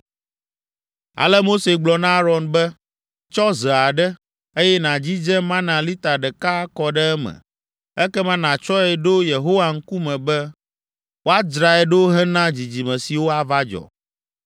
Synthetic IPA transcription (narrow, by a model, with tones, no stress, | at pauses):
a̰˨lɛ˦mo˦se˨ɡ͡blɔ˨nã˦ɾɔ˨nbɛ˦ | t͡ʃɔ˦zɛ˨a˨ɖɛ˦ | e˦jɛ˦nã˨d͡ʑi˦d͡ʒɛ˦mã˦nã˨li˦t̪a˨ɖɛ˨ka˦kɔ˨ɖɛ˦ɛ˦mɛ̰̃˨ | ɛ˦kɛ˦mã˦nã˨t͡ʃɔ˦ɛ˨ɖo˦je˨ɦo˦wa˨ŋ̩˦ku˦mɛ̃˨bɛ˦ | wo˦a˦d͡ʒɾa˨ɛ˨ɖo˦ɦɛ˦nã˦d͡ʑi˨d͡ʑi˨mɛ̃˨si˨wo˦a˨va˦d͡ʒɔ̰˨